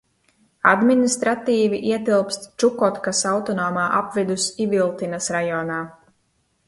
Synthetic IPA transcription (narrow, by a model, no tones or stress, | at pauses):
a̰d̪minist̪ɾat̪iːviʔiɛt̪ilˠpst̪t͡ʃukɔt̪kasawt̪ɔnɔːmaːʔapvid̪usivilˠt̪inasɾajɔːnaː